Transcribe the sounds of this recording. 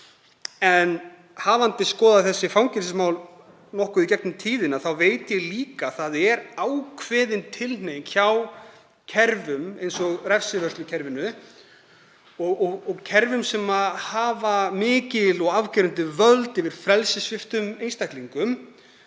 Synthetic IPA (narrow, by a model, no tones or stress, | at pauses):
ɛn | haːvant̪ɪskɔːðaθɛsːɪfawŋcɪɾsɪsmawl | nɔhkʏicɛk̚nʏmt̪ʰiːðɪnaðθawveːjt̪ɪjɛɣliːkaθaðɛɾawkʰvɛːðɪnt̪ʰɪln̥ejmçaw | cʰɛɾvʏmejnsɔɣrɛfsɪvœr̥st̪lʏcʰɛɾvɪnʏ | ɔɣɔɣɔɣcʰɛɾvʏmsɛmahaːvamɪːcɪlɔɣavcɪɾʏnt̪ɪvœlt̪ɪvɪɾ̥fɾɛlsɪsfɪft̪ʏmejnst̪ajk̪liŋkʏm